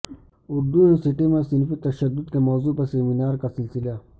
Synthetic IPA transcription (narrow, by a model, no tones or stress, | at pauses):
ʊɾd̪uẽsiʈimẽsɪnfit̪ɐʃəd̪ːʊd̪̚kemɔːzuːpɐɾseːminaːɾkasɪlsɪlaː